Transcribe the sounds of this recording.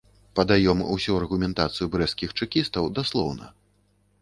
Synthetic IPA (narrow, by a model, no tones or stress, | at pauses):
pɐd̪ajɔmṵsʲuɐrɣumʲɛnt̪at̪sɨjubɾɛskʲixt͡ʂɨkʲist̪ɐwd̪aslˠɔwnɐ̰